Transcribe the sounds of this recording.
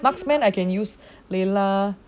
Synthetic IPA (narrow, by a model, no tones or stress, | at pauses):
maksmɛ̃najkɛ̃njus | lela